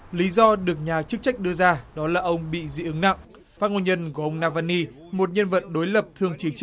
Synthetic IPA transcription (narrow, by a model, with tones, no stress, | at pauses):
li˨˦zɔ˧ɗɨ˨˩ək̚ɲaː˨˩t͡ɕɨ˦˥k̚t͡ɕa˦˥jk̟̚ɗɨ˧əzaː˧ɗɔ˨˦laː˨˩ʔə˧wŋ͡mɓḭ˧˨zḭ˧˨ʔɨ˨˦ŋna̰˧˨ŋ | faː˦˥t̚ŋo˧nɲə˧nɣɔ˧˨˩ʔə˧wŋ͡mnaː˧vaː˧nːi˧ | mo˨˩t̚ɲə˧nvə̰˧˨t̚ɗo˨˦jlə˨˩p̚t̪ʰɨ˨˧˩əŋt͡ɕi˨˦t͡ɕɨ˦˥k̚